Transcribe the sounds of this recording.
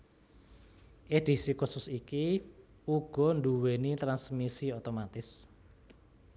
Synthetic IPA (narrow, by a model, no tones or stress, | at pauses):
ʔed̪̥i̤sikusʊsiki | uɡ̥ɔ̤nd̪uwenit̪ɾansmisiot̪omat̪ɪs